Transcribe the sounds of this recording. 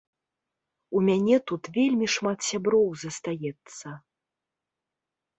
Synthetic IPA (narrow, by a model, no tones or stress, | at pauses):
umʲanʲɛt̪ut̪vʲelʲmʲiʂmat̪sʲabɾɔwzɐst̪ajɛt̪sːɐ